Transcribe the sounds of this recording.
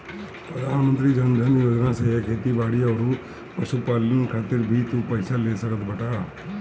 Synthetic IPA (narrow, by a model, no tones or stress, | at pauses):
pɾəd̪ʱaːnmə̃nt̪ɾid͡ʒɐnd̪ʱənjoːd͡ʒnãsekʰeːt̪ibaːɽijaoɾu | pəʃupaːlənkʰaːt̪ɪɾbʱit̪upɐɪsaleːsəkət̪bɐʈaː